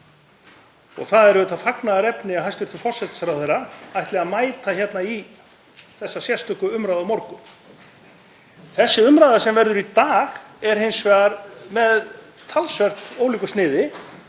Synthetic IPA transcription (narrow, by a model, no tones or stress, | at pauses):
ɔ̰ɣθaðɛɾvʏːt̪afaknaðaɾɛpnɪaɦajst̪vɪɾt̪ʰɪfɔr̥sɛt̪sɾawθerːaajht̪lɛɣaðmaːjt̪açjɛt̪nai | θɛsːasjɛst̪ʏhkʏʏmɾajðamɔɾkʏ | θɛsːɪʏmɾaːðasɛmvɛɾðʏɾit̪aːɣɛɾ̥hejnsvɛɣaɾmɛð | t̪ʰalsvɛr̥t̪oːwliːkʏ̥snɪːðɪ